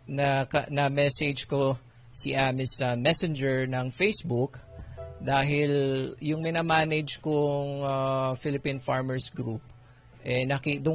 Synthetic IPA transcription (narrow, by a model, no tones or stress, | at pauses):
nɐkɐnɐmɛsɛd͡ʒko | siʔaːmɪsɐmɛsɛnd͡ʒɛɹnɐŋfejsbʊkd̪aːɦɪljʊŋmɪnamaːnɛd͡ʒkʊŋafɪlɪpinfaɹmɐɹsɡɾup̚ | ʔɛnɐkid̪ʊ